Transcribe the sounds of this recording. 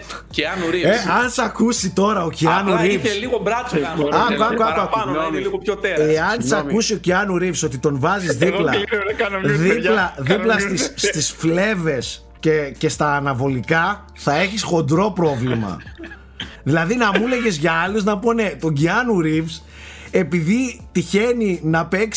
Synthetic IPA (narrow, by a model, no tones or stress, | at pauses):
ciɐnuɾieɐnsɐkusit̪o̞ɾɐo̞ciɐnuɾivliɣobɾɐsɐɡɐɡoɐoɐkɡulipot̪eeɐnsɐkusio̞ciɐnuɾivso̞t̪̬it̪o̞nvɐzizðiplɐɡɐnɐðilɐðiplɐst̪isst̪isfle̞ve̞s | cece̞st̪ɐːnɐvo̞likɐ | θɐe̞çisxo̞nd̪ɾo̞pɾo̞vlimɐ̰ | ðilɐðinɐmule̞ʝe̞zʝɐɐluznɐponet̪o̞ɲɟiɐnuɾifs | e̞piðit̪içe̞ninɐpeks